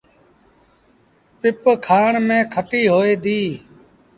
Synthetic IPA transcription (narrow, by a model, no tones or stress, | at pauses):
pɪpkʰaːɳmẽːkʰəʈiːɦoːeːd̪iː